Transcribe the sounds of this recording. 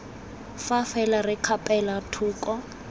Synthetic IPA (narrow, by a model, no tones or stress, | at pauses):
fafɛlarɪkʰapʼɛlatʰuːkʼɔ